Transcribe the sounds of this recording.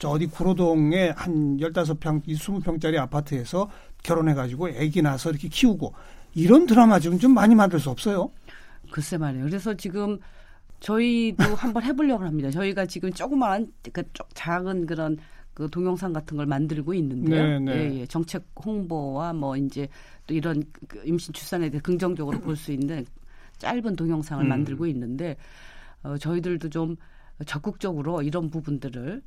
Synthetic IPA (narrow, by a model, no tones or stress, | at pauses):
t͡ɕʌdikuɾodoŋe̞hanjʌɭt͈as̬ʰʌpʰjʌŋisʰumupʰjʌŋt͡ɕ͈aɾiapʰatʰɯe̞sʰʌ | kjʌɾonɦe̞ɡad͡ʑiɡoeɡinasʰʌiɾʌkʰe̞kʰiuɡoiɾʌntɯɾamad͡ʑiɡɯnt͡ɕomːaɲimandɯɭs̬͈uʌp̚s͈ʌjokɯʌsʰemaɾe̞jokɯɾe̞s̬ʰʌt͡ɕiɡɯm | t͡ɕʌidohambʌnɦe̞boʎːʌɡɯɭɦamɲidat͡ɕʌiɡat͡ɕiɡɯmt͡ɕ͈oɡɯmaanak͈at͡ɕ͈ok̚t͡ɕaɡɯnkɯɾʌnkɯtoŋjʌŋs̬ʰaŋɡatʰɯnɡʌɭmandɯɭɡoinːɯnddejoneeje̞t͡ɕʌŋt͡ɕʰe̞k̚hoŋbowamʌind͡ʑe̞ | t͈oiɾʌnimɕʰint͡ɕʰu̥s͈ane̞tesʰekɯŋd͡ʑʌŋd͡ʑʌɡɯɾopoɭs͈uinːɯn | t͡ɕ͈a̰ɭbɯntoŋjʌŋsʰaŋɯɭmandɯɭɡoinːɯnde̞ | ʌt͡ɕʌidɯɭdot͡ɕom | t͡ɕʌk͈ɯk̚t͡ɕ͈ʌɡɯɾoiɾʌnpubundɯɾɯɭ